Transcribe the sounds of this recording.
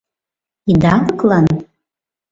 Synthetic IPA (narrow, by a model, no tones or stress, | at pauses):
id̪akkʼlˠan